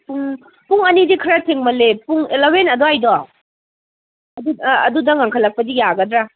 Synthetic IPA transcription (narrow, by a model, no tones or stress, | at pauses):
puŋ | puŋɐnizikʰɐɾatʰeŋmɐlepuŋelawenɐdɔajdɔ | ɐduɐ̰dudɐŋaŋkʰɐlːɐk̚pɐdijaɡɐdɾa